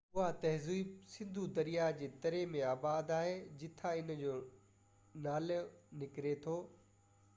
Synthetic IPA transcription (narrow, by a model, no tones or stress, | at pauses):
ʊɦat̪ɐɦzuisɪ̃nd̪ʱud̪ɐɾijad͡ʑeːt̪ɐɾemẽaːbaːd̪aːɦed͡ʑɪt̪ʰãɪnd͡ʑoː | naːlnɪkɪɾet̪ʰoː